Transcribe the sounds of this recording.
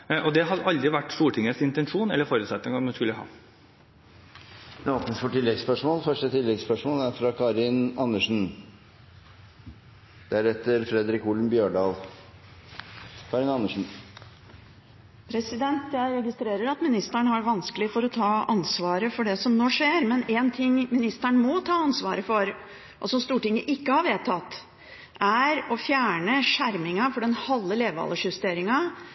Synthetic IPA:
ʔɔd̪ɛɦɑd̪ɑld̪ɾɪʋæʈːst̪uːʈʰɪŋːəsɪnt̪ɛnʂuːnɛ̰lːəɾfoːɾʉːt̪sɛt̪nɪŋəɔmɑnskʉlːəɦɑ̰ː | ɛoːpnəsfɔʈɪlːɛɡspœʂmoːlfœʂʈət̪ʰɪlːɛɡspœʂmoːlæɾfɾɑkʰɑɾɪnɑnːəʂn̩ | d̪̥ææɾɛt̪ːəɾfɾɛd̪ɾɪkuːln̩bjøːɖɑːl | kʰɑːɾɪnɑnːəʂɳn̩ | pʰɾɛsɪd̪ɛnt̪jæɪɾɛɡɪst̪ɾeːɾəɾɑt̪mɪnɪst̪æɳəɦæɾʋɑnskəlɪfɔɾɔt̪ʰɑːɑnsʋɑːɾəfɔɖɛsɔmnoːʂeːɾmɛnɛːnt̪ʰɪŋːmɪnɪst̪æɳəmɔt̪ʰɑːɑnsʋɑ̰ːɾəfɔɾ | ʔɔsɔmst̪uːʈɪŋːəʔɪkːəhɑɾʋeːt̪ʰɑt̪ː | ʔæɾɔfjæːɳəʂæɾmɪŋɑfɔɖɛnhɑlːəleːʋɑ̰ːlːəʂʉst̪eːɾɪŋɑ

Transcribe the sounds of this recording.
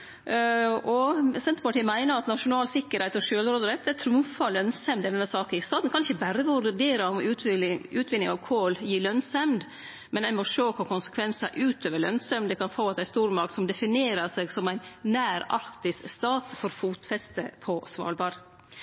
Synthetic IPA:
ɔsɛnt̪əɾpɑʈʰiːəmæɪnəɾɑt̪nɑʂʊnɑːlsɪkːəɾhæɪt̪ɔʂøːlɾoːd̪əɾɛt̪æt̪ʰɾumfɑlœnsɛmd̪ɪd̪ɛnːəsɑːkəst̪ɑːt̪n̩kʰɑnɪçəbæɾəʋʉɾd̪eːɾɑɔmʉʉːt̪ʰʋɪnɪŋɑʋkʰoːljiːɭœnsɛmd̪ | mɛnæɪmɔʂoːkʰʊɾkʊnsə̥kʰʋɛnsɑ̰ʔʉːt̪ʰøːʋəɭœ̰nsɛmd̪ɛkɑnfoːɑt̪æɪst̪uːɾmɑɾk̪sɔmd̪ɛfɪneːɾɑseːɡsɔmæɪnnæːɾɑ̰ɾkt̪ɪsst̪ɑːt̪fɔɾfuːt̪fɛst̪ə̰pʰɔsʋɑ̰ːɾbɑɾ

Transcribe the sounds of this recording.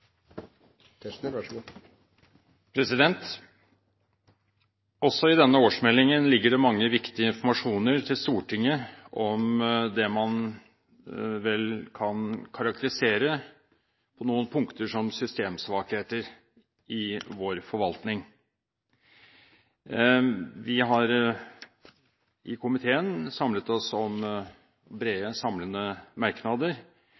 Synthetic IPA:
pʰɾɛsɪd̪ɛnt̪ | ɔsːɔɪd̪ɛnːəoːʂmɛlːɪŋənlɪɡːəɖɛmɑŋːəʋɪkt̪ɪəɪnfɔmɑʂuːnəɾt̪ʰɪlst̪uːʈʰɪŋːəɔmd̪ɛmɑn | ʋɛlkʰɑnkʰɑɾɑk̚t̪əɾɪseːɾə | pʰɔnuːənpʰʊŋkt̪əʂɔmsʏst̪eːmsʋɑːkheːt̪əɾ | ɪʋoːɾfɔɾʋɑlt̪nɪŋ | ʋɪɦɑɾ | ʔɪkʰʊmɪt̪ʰeːənsɑmlət̪ɔsɔm | bɾeːəsɑmlənəmɑɾknɑd̪əɾ

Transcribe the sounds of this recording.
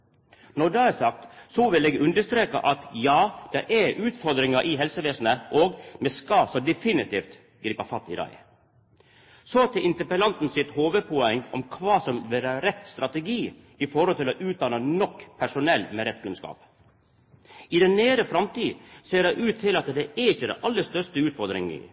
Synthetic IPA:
nɔɖɑæsɑk̚t̪sɔʋɪleːɡʉnd̪əʂst̪ɾeːkɑ̰ʔɑt̪jɑːd̪̥ɛʔɛʔʉːt̪fɔɾd̪ɾɪŋɑʔɪɦɛlsəʋeːsn̩əʔɔːɡmɛskɑsɔd̪ɛfɪnɪt̪iːft̪ | ɡɾiːpɑfɑt̪ːɪ̰d̪ɑ̰ɪ | sɔt̪ʰɪlʔɪnt̪əpəlɑnt̪n̩sɪt̪hoːʋəpʰɔɛŋːɔ̰mkʰʋɑːsɔmʋeːɾəɾɛt̪ːst̪ɾɑt̪əɡiː | ɪfɔɾhɔlt̪ɪlɔʔʉːt̪̚d̪ɑːnənɔkːpʰæʂʊnɛlːmɛɾɛt̪kʰʉnskɑ̰ːp | ɪd̪ɛneːɾəfɾɑmt̪iːseːɖæɪʔʉːt̪ʰːɪlɑt̪d̪ɛʔɛɾɪçːəd̪ɛ̰ʔɑlːəst̪œʂt̪əʉːt̪fɔɾd̪ɾɪ̰ŋɪ̰

